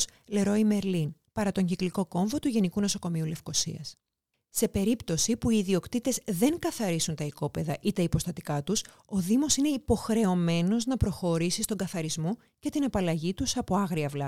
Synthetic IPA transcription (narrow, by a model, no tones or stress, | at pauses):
sle̞ɾo̞ime̞ɾlinpɐɾɐt̪o̞ɲɟikliko̞ko̞ɱvo̞t̪uʝe̞nikuno̞so̞ko̞miule̞fko̞sḭɐ̰s | se̞pe̞ɾipt̪o̞sipuiːðio̞kt̪it̪e̞zðe̞ŋkɐθɐɾisunt̪ɐiko̞pe̞ðɐʔit̪eipo̞st̪ɐt̪i̥kɐt̪us | o̞ðimo̞sine̞ipo̞xɾe̞o̞me̞no̞znɐpɾo̞xo̞ɾisist̪o̞ŋɡɐθɐɾizmo̞ | ce̞t̪inɐpɐlɐʝit̪usɐpo̞ɐɣɾiɐvlɐ